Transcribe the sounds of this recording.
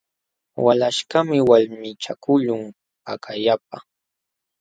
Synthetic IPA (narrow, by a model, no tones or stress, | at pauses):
walaʃkamɪwaʎmɪt͡ʃakʊʎʊŋ | pakʰajap̚a